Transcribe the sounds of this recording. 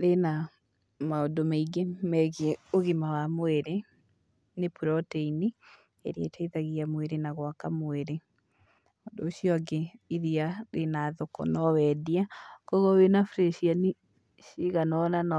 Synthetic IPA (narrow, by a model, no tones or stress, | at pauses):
ɾena | maodomaiɡemɛɣeoɣimawamoeɾe | nepuɾɔteini | ḛɾḛtaiðaɣiamweɾenaɣwakamoeɾe | ɔːndoːɕijɔɡeiðiaɾenaːðokɔ̰nɔwɛdiakɔɣowenafɾeʃiani | ʃiɣanɔnan